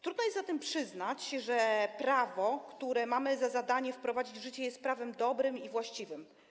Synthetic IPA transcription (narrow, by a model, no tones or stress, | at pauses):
t̪ɾud̪nɔjɛst̪zat̪ɛmpʂɘznat͡ɕʐɛpɾavɔkt̪uɾɛmamɘzazad̪aɲɛfpɾɔvad͡ʑid͡ʑvʐɘt͡ɕɛjɛst̪̚pɾavɛmd̪ɔbɾɘmivwaɕt͡ɕivɘm